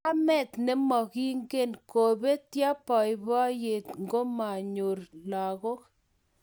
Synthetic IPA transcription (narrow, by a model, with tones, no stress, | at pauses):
a˦mɛ˦˨t̪nɛ˦mɔ˨ki˦ŋɡe˦nko˨be˦tja˦pɔ˨jbɔ˦je˨t̪ŋɡo˦ma˨ɲo˨rla˨ɣo˦k̚